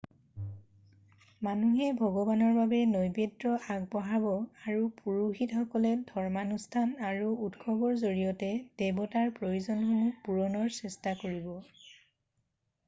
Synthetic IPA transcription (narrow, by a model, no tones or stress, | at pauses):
manuɦɛbʱɔɡɔbanɔɹbabɛnojbedɹɔʔaɡ̚bɔɦabɔaɹupuɹuhitxɔkɔlɛdʱɔɹmanustʰanaɹuutkʰɔbɔɹzoɹijɔtɛdɛbɔtaɹpɹojuzɔnxunupuɹɔnɔɹsɛstakoɹibɔ